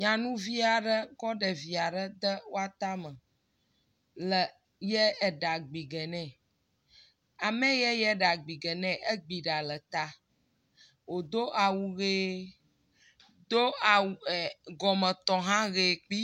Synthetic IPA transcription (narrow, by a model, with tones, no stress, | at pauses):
ɲã˨nũ˦vi˦a˨ɖə˦kɔ˦ɖɛ˨vi˨a˨ɖə˦d̪ə˦wo˦a˨t̪a˦mə̃˨ | lə˨ | jɛ˦ɛ˨ɖa˨ɡ͡bi˨ɡɛ˨nɛ̃˦˨ | a˨mɛ̃˦jɛ˦jɛ˦ɖa˨ɡ͡bi˨ɡɛ˨nɛ̃˦ʔe˦ɡ͡bi˨ɖa˨lə˨t̪a˦ | wo˨d̪o˦ʔa˨wu˨ɣeː˦ | d̪o˦a˨wu˨ɡɔ˨mə̃˨t̪ɔ˨ɦã˦ɣe˨k͡pi˦